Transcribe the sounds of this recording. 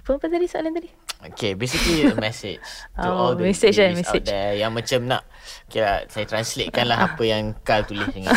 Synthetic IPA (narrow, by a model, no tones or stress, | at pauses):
pəpənd̪adisaʔlanadi | okebesikliəmɛsɪ̰d͡ʒd͡ʒtuɔldəmɛsed͡ʒamɛadɛjaŋmãt͡ʃəmnã̰ʔ | kelasajat̪ɾanslet̚kanlaɦapəjaŋkalt̪ulɪdəŋã